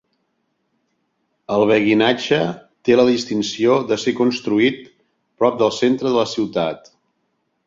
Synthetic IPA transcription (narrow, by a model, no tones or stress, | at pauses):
əlˠβ̞əɣinad͡ʒət̪eləðist̪insioðəsekunst̪ɾuit̪ | pɾɔp̚d̪əlˠsent̪ɾəðələsiwt̪at̪